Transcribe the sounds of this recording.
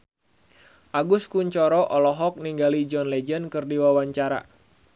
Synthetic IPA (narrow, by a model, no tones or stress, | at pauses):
ʔaɡʊskuɲt͡ʃɔɾɔʔɔlɔɦɔk̚niŋɡalid͡ʒɔnlɛd͡ʒənkɨrdiwawaɲt͡ʃaɾa̰